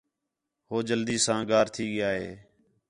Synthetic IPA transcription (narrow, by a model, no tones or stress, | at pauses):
hoːd͡ʒəld̪iːsãːɡaːɾt̪ʰiːɡɪjaːɦḛː